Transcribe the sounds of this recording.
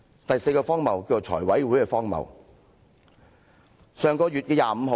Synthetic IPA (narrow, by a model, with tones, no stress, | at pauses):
t̪ɐ˨jse˧jkɔː˧fɔː˥ŋmɐ˨˩wki˧t͡so˨wt͡ʃʰɔ̰ː˨˩jwɐ˨˥jwuː˨˥jkɛ˧fɔː˥ŋmɐ̰˨w | sœː˨ŋkɔː˧ɥy˨t̚kɛː˧jaː˨˧m̩˧ɦo˨˧